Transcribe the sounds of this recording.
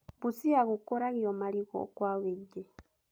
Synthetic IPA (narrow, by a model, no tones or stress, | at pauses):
busiaɣukɔɾaɣiɔmaliɣɔ̰kwawɛɟɛ